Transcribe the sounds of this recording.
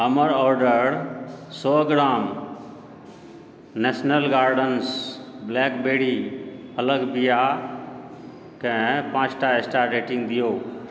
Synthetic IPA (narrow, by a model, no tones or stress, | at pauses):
əməɾɔːɾɖəɾsɔːɡɾaːm | nɛːsnəlɡaːɾɖənsblɛːkbeːɽiɐləɡbija | kə̃ɛ̃pãːd͡ʒʈaesʈaɾeːʈɪ̃ŋɡd̪ɪjoː